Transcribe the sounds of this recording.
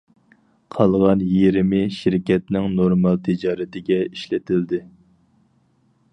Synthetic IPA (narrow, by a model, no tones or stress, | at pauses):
qʰɑlˠʁɑnjeɾɪmɪʃiɾkʲɛt̪nɪŋnoɾmɑlˠt̪ʰɪd͡ʒɑːɾɪt̪ɪɡʲɛiʃlɪt̪ʰɪld̪ɪ